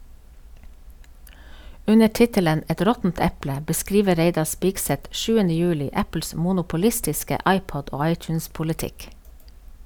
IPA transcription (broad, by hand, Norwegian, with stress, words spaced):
ˈʉnə ˈʈɪtələn ˈɛt ˈɾɔtn̩t ˈɛplə bəˈskɾiːʋə ˈɾeɪdɑ ˈspiːɡsɛt ˈʃʉːənə ˈjʉːlɪ ˈæpl̩s ˌmuːnʊpʊˈlɪstɪskə ˈʔɑɪˌpɔd ˈoː ˈɑɪˌtjnspʊlɪˌtɪk